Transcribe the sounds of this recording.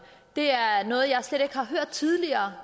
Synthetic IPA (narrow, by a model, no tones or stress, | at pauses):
d̥e̝æɐnɔ̽ːð̞̩ˠjɑ̈ɪsleɾ̥e̝ɡ̥hɑ̈ɦøɐ̰d̥̚t͡sʰið̞ˠliɐː